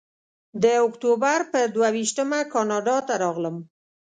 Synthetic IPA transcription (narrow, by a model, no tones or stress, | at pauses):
d̪əʊkt̪obaɾpəɾd̪wawiʃt̪əmakɑnɑɖɑt̪aɾɑɣləm